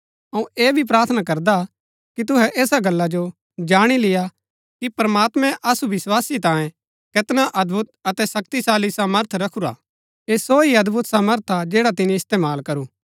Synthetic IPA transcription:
ɐũeːbʱip̬ɾaːɾt̪ʰnakɐɾd̪a | kit̪̬ʊɦɛʔeːsaɡɐlːad͡ʒo | d͡ʒaːɽ̃ilɪja | kipɾmaːt̪mɛ̃ʔɐsubɪswaːsit̪ãːjẽ | kɪt̪naʔɐd̪bʱʊt̪̚ɐt̪ɛsɐk̚t̪isaːlisaːməɾt̪ʰɾɐkʰuɾa̰ː | eːsoːiɐd̪bʱʊt̪saːməɾt̪ʰad͡ʒɛːɽat̪ɪniɪst̪eːmaːlkɐɾuː

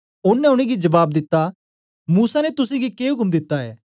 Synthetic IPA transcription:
ʊnːɛʊɽ̃ẽɡid͡ʒɐbaːb̚d̪ɪt̪ːa | muːsanet̪ʊsẽɡikeːɦʊkəmd̪ɪt̪ːaɛ̰ː

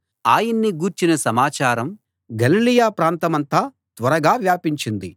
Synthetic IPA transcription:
aːjɐnːiɡuːɾt͡ʃinɐsɐmaːt͡ʃaːɾɐm | ɡɐlilijaːpɾaːnt̪ɐmɐnt̪aː | t̪ʋɐɾɐɡaːʋjaːpiɲt͡ʃind̪i

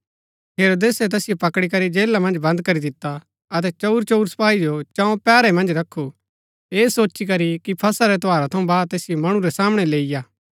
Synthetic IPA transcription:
ɦeːɾoːd̪eːsɛt̪ɛːsɪjopɐkɽikɐɾid͡ʒeːlamɐ̃nd͡ʒbɐ̃nd̪̚kɐɾid̪ɪt̪ːa | ɐt̪̬ɛt͡ʃɐʊɾt͡ʃoʊɾsɐ̥paːid͡ʒot͡ʃãːõpɛːɾɛmɐ̃nd͡ʒɾɐkʰːu | eːsoːt͡ʃik̬ɐɾikipʰɐsaɾɛt̪oaːɾat̪ʰɐũbaːd̪̚t̪eːsɪjomɐɽ̃ũɾɛsaːmɽ̃ɛleːɪjaː

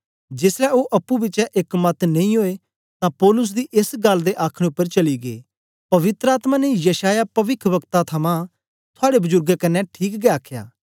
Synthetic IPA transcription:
d͡ʒɪslɛoʔɐpːubɪt͡ʃɛʔɪkmɐt̪nɐ̃ĩɦoːe | t̪ãpɔːlʊs̬d̪iʔɪsɡɐld̪eʔaːkʰɽ̃eʊpːəɾt͡ʃɐliɡḛː | pɐʋɪt̪ɾəaːt̪mãnejɐʃaːjapɐʋɪkʰʋɐkt̪at̪ʰɐmã | t̪ʰʊaːɽebʊzʊɾɡkɐnːɛʈʰiːkɡɛaːkʰja̰ː

